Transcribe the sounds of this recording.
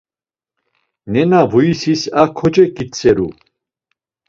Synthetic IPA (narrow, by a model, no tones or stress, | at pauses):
nɛnavuisisakʰɔd͡ʒɛkʼit͡sʰʼɛɾu